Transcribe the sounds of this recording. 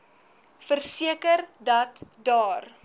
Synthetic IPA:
fərsiəkərdɐtdɑːr

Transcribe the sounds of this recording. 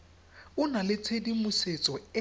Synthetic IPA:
ʊnalɪt͡sʰedimʊset͡sʼɔɪ

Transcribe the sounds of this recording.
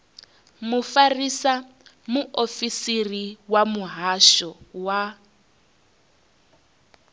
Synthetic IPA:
mufarisa | muʔofisiriwamuɦaʃɔwa

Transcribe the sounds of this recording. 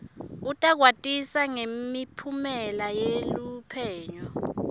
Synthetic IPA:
utʼak̬watʼisaŋemipʰumɛlajelupʰɛːɲɔ

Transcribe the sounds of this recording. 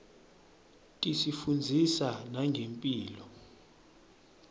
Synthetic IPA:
tʼisifund͡zʱisanaŋɡʱempʼiːlɔ

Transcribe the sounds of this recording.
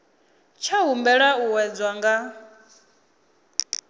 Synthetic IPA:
t͡ʃʰaɦumbɛɺauwɛd͡zwaŋɡa

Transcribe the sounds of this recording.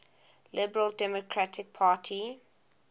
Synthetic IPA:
lɪbəɹəldɛmokʰɹatʰɪk̚pʰaːtʰi

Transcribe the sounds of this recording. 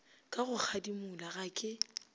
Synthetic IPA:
kʼaɣʊk͡xʰadimʊlaɣaːkʼɪ

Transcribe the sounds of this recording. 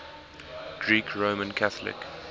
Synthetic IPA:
ɡ̥ɹiːkʰɹõʊmə̃nkʰaθəlɪ̰k

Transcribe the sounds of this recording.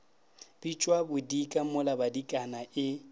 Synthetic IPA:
b̥it͡ʃʼwabʊdikʼamʊlabadikʼanaʔɪ

